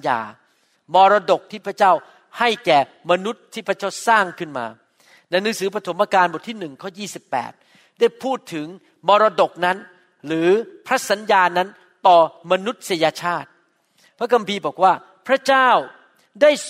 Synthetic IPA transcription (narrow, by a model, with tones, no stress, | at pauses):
ja̰ː˧ | mɔː˧ɾaː˧do˨˩k̚t̪ʰiː˥˩pʰɾa˥t͡ɕaː˥˩w | ha˥˩jkɛː˨˩ma˧nu˦˥t̪ʰːiː˥˩pʰɾa˦˥˩t͡ɕaː˥˩wsaː˥˩ŋkʰɯ˥˩nma̰ː˧ | na˧jnɯː˨˦ŋsɯː˩˦pʰɾa˧t̪ʰo˩˦mʔaː˧kaː˧nbo˨˩t̪ʰːiː˥˩nɯ˨˩ŋkʰɔː˥˩jiː˥˩si˨˩pːɛ̰ː˨˩t̪̚ | da˥˩jpʰuː˥˩t̪ʰːɯ˩˦ŋ | mɔː˧ɾaː˧do˨˩k̚na˦˥n | ɾɯː˩˦pʰɾa˦˥sa˩˦njaː˧na˦˥n | t̪ɔː˨˩ma˧nu˦˥t̪̚sa˧ja˧t͡ɕʰaː˥˩t̪̚ | pʰɾa˦˥kʰa˧mpʰiː˧bɔː˨˩k̚waː˥˩ | pʰɾa˦˥t͡ɕaː˥˩w | daː˥˩j